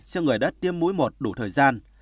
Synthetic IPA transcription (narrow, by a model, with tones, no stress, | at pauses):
sɛ˧wŋɨ˨˩əjɗa˦˥t̚t̪i˧əmːu˨˦jmo˨˩t̚ɗu˧˩t̪ʰəː˨˩jzaː˧n